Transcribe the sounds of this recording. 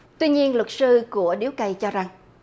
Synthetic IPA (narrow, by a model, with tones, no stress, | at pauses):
t̪wi˧ɲi˧ənlwə˨˩k̚sɨ˧ku˧˩əɗi˨˦wkə˨˩jt͡ɕɔ˧za˨˩ŋ